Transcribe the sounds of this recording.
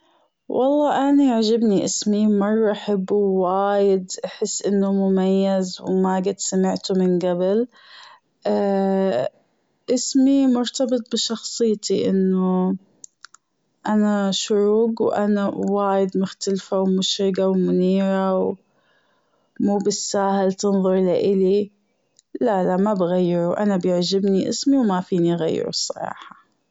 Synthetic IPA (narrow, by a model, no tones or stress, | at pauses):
wʔɑ̰lˤːɑːʔaniaʕd͡ʒabniʔɪsmimɑrˤːɑʔaħabːwaːjɪd̪ʔaħɪsːʔɪnːʊmʊmajːazwmaɡɪt̪samɪʕt̪ʊmɪnɡabɪl | ʔa | ʔɪsmimʊɾt̪ɑbɨt̪ˤbɪʃɑxsˤɨjːt̪iʔɪ̰nːʊ | ʔanaʃʊɾuːɡwʔanawaːjɪd̪mʊxt̪alfawmʊʃɾɪɡawmʊniːɾaw | muːbɪsːaːhɪlt̪ɨnðˤʊɾˤlaʔɪli | lalamːabɣajːɪɾuʔanabjɪʕd͡ʒɪbniʔɪ̰smiwmafiːniɣa̰jːɪ̰ɾṵsˤːɑ̰ɾˤɑ̰ːħɑ̥